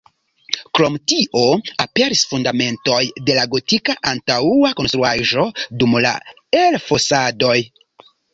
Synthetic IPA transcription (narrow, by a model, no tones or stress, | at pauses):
kɾo̞mtiʔo̞ape̞ɾisfundame̞nto̞jde̞laɡo̞tikaʔantauako̞nst̪ɾuaʒo̞dumla̰ | elfo̞sado̞j